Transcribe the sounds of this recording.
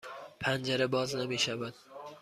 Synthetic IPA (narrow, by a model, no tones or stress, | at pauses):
pʰand͡ʒaɾabɒznabeʃabad̪